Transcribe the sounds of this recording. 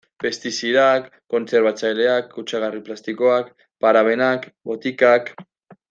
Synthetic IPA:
fe̞st̪isiɾakːo̞nt͡se̞ɾβat͡sajle̞akːut͡ʃaɣ̞ariplast̪iko̞ak | paɾaβe̞nakbo̞t̪ikak

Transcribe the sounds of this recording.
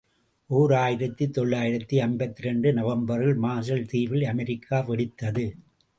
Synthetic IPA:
ʔuːɾaːjɪɾɐt̪ːit̪ːɔɭːaːjɪɾɐt̪ːiɐnbɐt̪ːɪɾɛɳɖɯnɐʋɐmbɐɾɪlmaːs̬ɐlt̪iːʋɪlɐmɐɾɪkʰːaːpɛɽɪt̪ːɐðɯ

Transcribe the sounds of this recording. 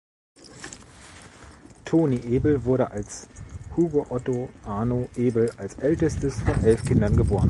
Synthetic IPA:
tʰoːniʔeːbl̩vʊɐɾəʔalshuːɡoʔɔtoʔaːnoʔeːbl̩alsʔɛltəstəsfɔnʔɛlfkʰɪndɐnɡəboːʁən

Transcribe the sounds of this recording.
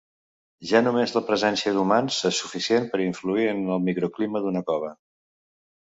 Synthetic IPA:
ʒanumezləpɾəzɛnsiəðumansesufisienpəɾiɱfluiənəlˠmikɾukliməðunəkɔβ̞ə

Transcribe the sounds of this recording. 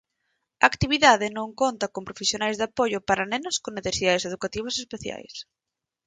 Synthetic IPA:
ɐ̰ːkt̪iβiðaðɪnõŋkont̪ɐkompɾofesjonajzðapoʎʊpaɾanenʊskoneθesiðaðeseðukat̪iβ̞ɐsespeθja̰js

